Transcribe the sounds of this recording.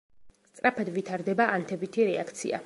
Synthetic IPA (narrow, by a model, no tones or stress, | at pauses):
st̪sʼɾapʰad̪vit̪ʰaɾd̪ɛbaʔant̪ʰɛbit̪ʰiɾɛak̚ʰt̪sʰḭa̰